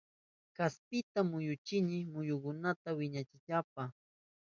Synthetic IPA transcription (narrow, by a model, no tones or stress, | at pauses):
kaspɪt̪amʊjʊt͡ʃɪnɪmʊjʊkʊnat̪awɪɲat͡ʃɪt͡ʃap̚a